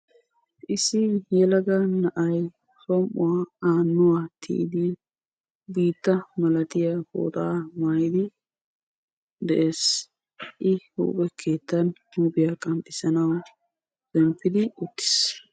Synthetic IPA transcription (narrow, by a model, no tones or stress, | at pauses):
ʔɪsɪjɛlɐɡɐnɐʔɐj | sɔmʔʊwaaːnːʊwat̪ʰḭʔd̪ɪ | biːt̪ːɐmɐlɐt̪ɪjaho̰ːt̪amaːjɪd̪ɪ | d̪ɛʔeːs | ʔɪhṵːpʼɛkʰe̞ːt̪ːɐnhuːbɪjakʼɐmpʼːɪsɐnɐw | d̥ɛmpːɪd̪ɪʊt̪ːɪ̥s